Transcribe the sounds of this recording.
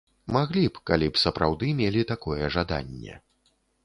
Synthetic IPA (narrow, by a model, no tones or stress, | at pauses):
maɣlʲipkalʲipsɐpɾʔawd̪ɨmʲelʲit̪akɔjɛʐad̪a̰nʲːɛ̰